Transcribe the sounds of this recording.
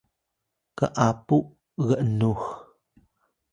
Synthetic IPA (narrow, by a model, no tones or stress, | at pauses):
kə̰ʔapuʔ | ɣəʔnux